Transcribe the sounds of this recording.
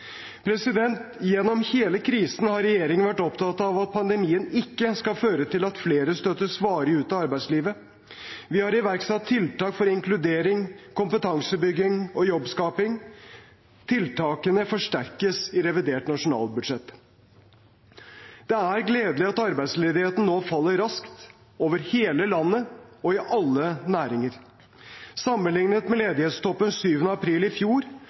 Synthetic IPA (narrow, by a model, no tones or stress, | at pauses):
pʰɾɛsɪd̪ɛnt̪jɛnːɔmheːləkʰɾiːsn̩hɑɾɛjeːɾɪŋənʋæʈːɔpt̪ʰɑt̪ɑʋɑt̪̚pʰɑnd̪ɛmiːənɪkːəskɑføːɾət̪ʰɪlɑt̪fleːɾəst̪œt̪ːəsʋɑːɾəʉːt̪ɑɑɾbæɪsliːʋə | ʋɪhɑɾɪʋæɾksɑt̪ʰːɪlt̪ɑːkfɔɾɪŋklʉd̪eːɾɪŋkʰʊmpət̪ʰɑŋsəbʏɡːɪŋɔjɔbskɑːpɪŋ | t̪ʰɪlt̪ʰɑːkənəfɔʂʈæɾkəsɪɾɛʋɪd̪eːʈnɑʂʊnɑ̰ːlbʉd̪ʂɛt̪ː | d̪̥ɛæɾɡleːd̪əlɪɑt̪ɑɾbæɪd̪sleːd̪ɪheːt̪n̩noːfɑlːəɾɾɑskt̪ | oːʋəɾheːləlɑnːəɔɪʔɑlːənæːɾɪŋəɾ | sɑmːənlɪŋnət̪mɛleːd̪ɪheːt̪st̪ʰɔpːənsyːʋənəɑpʰɾiːlɪfjuːɾ